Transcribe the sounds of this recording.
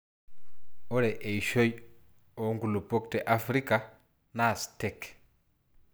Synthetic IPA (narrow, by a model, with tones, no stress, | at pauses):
ɔ˦ɾɛ˨ʔe˨iʃo˦i | ɔ˨ŋɡu˨lu˨po˦ktɛ˨ʔa˨fɾi˦ka˨ | nastɛk